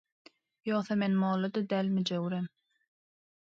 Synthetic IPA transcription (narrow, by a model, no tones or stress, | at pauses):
joːθɑmenmoːlˠːɑd̪ɑd̪æːlʲmid͡ʒøwɾem